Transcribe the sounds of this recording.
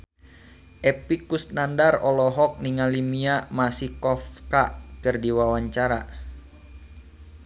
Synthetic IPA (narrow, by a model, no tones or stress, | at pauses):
ʔɛpikust̪̚nandarɔlɔɦɔk̚niŋalimiamasikɔfkakɨrdiwawaɲt͡ʃaɾa